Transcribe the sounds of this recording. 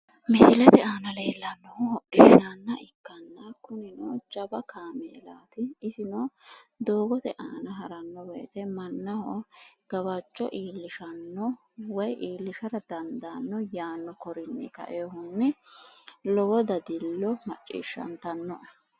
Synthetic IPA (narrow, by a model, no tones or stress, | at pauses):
mɪsɪlɛt̪ɛaːnɐleːlːɐnːɔhɔɔᶑɪʃanːɐʔɪkːɐnːɐkʊnɪnoːt͡ʃɐbɐkʰaːmḛːla̰ːt̪ɪːsɪnɔd̪oːɡɔt̪ɛʔaːnɐɦɐɾɐnːɔbɛːt̪ɛmɐnːɐhɔɡ̥ɐbɐt͡ʃʼːɔ̰ʔiːlːɪʃɐnːɔ | wɔjʔiːlːɪʃɐɾɐd̪ɐnd̪anːɔjaːnːɔkɔɾɪnːɛ̰kɐ̰ʔeːɦʊnːɛ | lɔwɔd̪ɐd̪ɪlːɔmɐt͡ʃʼːḭːʃːɐ̰nt̪ɐnːɔʔɐ